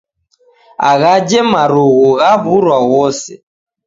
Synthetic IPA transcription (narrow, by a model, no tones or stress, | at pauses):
a̰ɣad͡ʒɛmaɾuɣuɣaβuɾwaɣɔsɛ̰